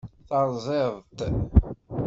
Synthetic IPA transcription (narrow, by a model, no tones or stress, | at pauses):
θɑɾˤzˤeðˤt̪